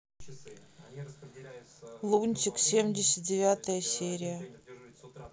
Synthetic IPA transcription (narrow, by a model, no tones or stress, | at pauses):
lˠunʲtʲiksʲemʲdʲesʲət̪̚dʲevʲat̪ʰəjəsʲeɾʲijə